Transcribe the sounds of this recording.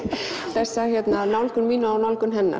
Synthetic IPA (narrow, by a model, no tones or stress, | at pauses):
θɛɾ̥sahjɛt̪nanawlkʏnmiːnawnawlkʏnɦɛnːa̰